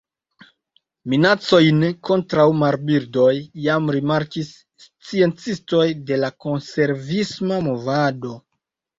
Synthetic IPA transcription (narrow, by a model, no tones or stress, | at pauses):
minat͡so̞jnko̞ntɾawmaɾbiɾdo̞jːamɾimaɾkisː | t͡sie̞nt͡sisto̞jde̞lako̞nse̞ɾvismamo̞vado̞